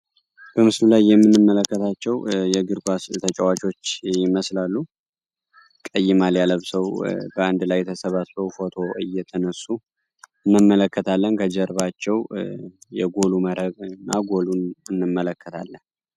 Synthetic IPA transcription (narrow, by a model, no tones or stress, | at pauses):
b̥əmɨslulajːɛmːɨnːɨmːələkːət̪ʰat͡ʃːɛwjɛɡɨɾɡʷast̪ʰət͡ʃʼəwat͡ʃo̞t͡ʃːjɪməslalːu | kʼəjːɪmaljaləβsəwbəand̪lajːɛt̪ʰəsəβat̪səwfo̞t̪ʰo̞ɨ̰jɛt̪ʰənəsːu | ɨnːɨmːələkːət̪ʰalːənkʰəd͡ʒəɾβat͡ʃːɛw | jɛɡo̞luməɾəβɨnːaɡo̞lunɨnːɨmːələkʰːət̪ʰa̰lːən